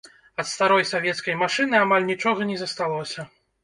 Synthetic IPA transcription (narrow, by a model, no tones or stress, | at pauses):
ɐt̪st̪aɾɔjsavʲjɛt̪skɐjmaʂɨnɨamalʲnʲit͡ʂɔɣɐnʲɛzɐst̪alˠɔsʲɐ